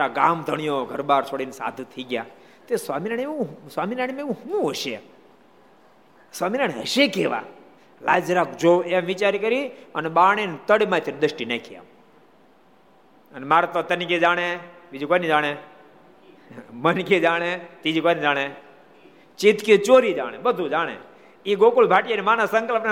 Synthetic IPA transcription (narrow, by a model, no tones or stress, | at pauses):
aɡaːmd̪ʱəɳ̃ijoɡʱəɾbaːɾsʰoɽinsa̰ːd̪ʱũt̪ʰəiɡjaː | t̪eswaːminaɳeũswaːminaɳmeũhũəʃe | swaːminaɽ̃eɦəʃekeʋa̰ | laːd͡ʒɾakd͡ʒoẽʋɪt͡ʃaɾikəɾiəneɓaːɳ̃ent̪əɽimãt̪ind̪əʃʈinakʰija̰ | ənmaːɾat̪ot̪əniked͡ʒaːɽ̃ebid͡ʒikojnid͡ʒaːɽ̃e | mənkid͡ʒaːɽ̃et̪id͡ʒikojnid͡ʒaːɽ̃e | t͡ʃit̪kit͡ʃoːɾid͡ʒa̰ːɽ̃ḛbəd̪ʱud͡ʒaːɽ̃ḛ | iɡokulbʱaːʈjanemanasəŋkəlpn